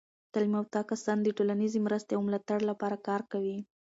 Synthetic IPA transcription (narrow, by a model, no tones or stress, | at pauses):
t̪alimawt̪ɑkasɑnd̪əʈolanizemɾəst̪eawmlɑt̪aɽlapɑɾakɑɾkawi